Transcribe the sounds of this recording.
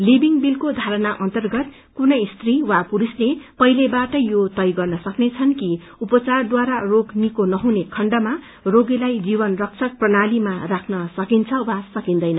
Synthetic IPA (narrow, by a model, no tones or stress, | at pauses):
libiŋbilkod̪ʱaɾʌnaʔʌnt̪ʌrɡʌt̪̚ | kunʌjst̪riwapuɾuslepʌjlebaʈʌjot̪ʌjɡʌrnʌsʌknet͡sʰʌnki | upʌt͡sard̪waɾaroɡnikonʌɦunekʰʌɳɖʌma | roɡilajd͡zibʌnrʌk̚t͡sʰʌk̚prʌnalimarakʰnʌsʌkint͡sʰʌwasʌkind̪ʌjnʌ